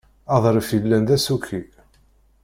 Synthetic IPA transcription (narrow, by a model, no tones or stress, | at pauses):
ɑðˤɾˤəfilːænðæsukʰːi